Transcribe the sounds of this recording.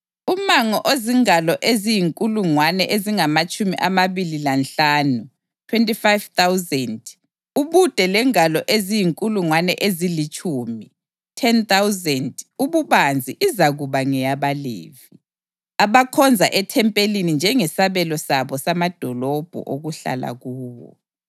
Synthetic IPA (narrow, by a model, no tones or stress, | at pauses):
umaŋɔʔoziŋalɔʔezijiŋkʼuluŋwanɛʔeziŋamat͡ʃʼumiʔamaβililanɬaːnu | tʰwentʼifajv̥t̪awzɛnd | uβud̥ʱɛlɛŋalɔʔezijiŋkʼuluŋwanɛʔezilit͡ʃʼuːmi | tʰɛnt̪awzɛnduβuβand͡zʱiʔizaɣuβaŋɛjaβalḛːvi | aβakʰɔnd͡zʱaʔɛtʰɛmpʼelinind͡ʒʱɛŋɛsaβɛlɔsaβɔsamad̥ʱɔlɔb̥ʱɔ̰ʔoɣuɬa̰la̰ɣuːwɔ̰